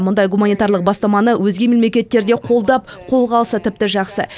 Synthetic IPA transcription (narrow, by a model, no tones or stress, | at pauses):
mʊnd̪ɑjɡumanijt̪ɑrlˠəq̚bɑst̪ɑmɑnəwʔɵzɡʲe̞mɪnme̞kʲe̞t̪ːe̞ɾd̪e̞qʰo̞lˠd̪ɑpqʰo̞lˠʁɑlˠsət̪ʰɪp̚t̪ɪʒɑqsə